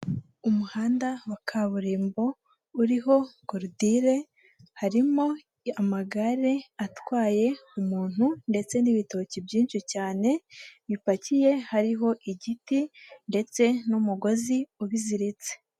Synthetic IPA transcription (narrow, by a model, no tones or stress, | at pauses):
umuhaːndawakʰaβuɾiːmbo̞ | uɾiɦo̞ɡoɾudiɾe̞ | haɾimo̞ | amaɡaɾe̞atwaːje̞umuːn̥hunde̞t͡se̞niβito̞cibɟiːnʃicaːne̞βipacije̞haɾiɦo̞ʔiɟitinde̞t͡se̞numuɡo̞ziuβiziɾit͡se̥